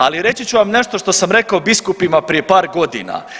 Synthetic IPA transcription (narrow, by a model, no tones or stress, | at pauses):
aliɾe̞t͡ɕit͡ɕuʋamne̞ʃt̪o̞ʃt̪o̞samɾe̞kaobiskupimapɾije̞paːɾɡo̞d̪ḭna̰